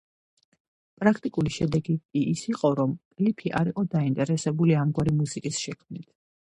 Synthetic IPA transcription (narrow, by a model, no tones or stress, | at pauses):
pʼɾakʰt̪ʼikʼuliʃɛd̪ɛɡikʼiʔːsiqʼɔɾɔmpʼlipʰiʔa̰ɾiqʼɔd̪aint̪ʼɛɾɛsɛbuliamɡwaɾimusikʼisʃɛkʰmnit̪ʰ